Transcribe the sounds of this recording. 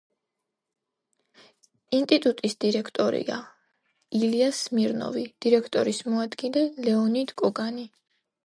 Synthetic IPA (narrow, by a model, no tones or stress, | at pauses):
int̪ʼit̪ʼut̪ʼisd̪̥iɾɛkʰt̪ʼɔɾḭa̰ | iliasmiɾnɔ̰vid̪̥iɾɛkʰt̪ʼɔɾismɔad̪ɡilɛlɛɔnid̪kʼɔɡani